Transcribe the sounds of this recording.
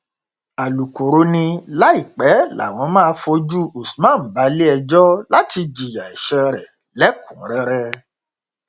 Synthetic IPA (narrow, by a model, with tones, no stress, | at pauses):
a˨lu˨ko˨ɾo˨˧˦nĩ˧la˦i˦˨k͡pɛ˨˦la̰˨w̃ɔ̃˧˦mã˦˧fo˧d͡ʒu˦o˨su̥˨mã˦˨m̩˨ba˨˦le˦ɛ˧d͡ʒɔ˦la˦ti˧d͡ʒi˨ja˨ɛ˨ʃɛ˧ɾɛ˨ | lɛ˨˦kũ˨˦ɾɛ˧˦ɾɛ˧